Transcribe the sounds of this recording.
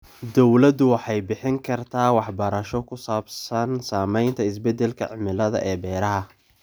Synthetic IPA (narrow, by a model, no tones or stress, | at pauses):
d̪ɔwlɐd̪ʊwɑħɑjbɪħɪŋkʰɐrt̪ʰaːwɑħbɐɾɐʃɔkʰʊsaːbsɐnsaːmɛjnt̪ʰɐɪsbɛd̪ɛlkʰɐ̰ʕɪmɪlɐðɐ̰ʔɛːbɛːɾɐɦɐ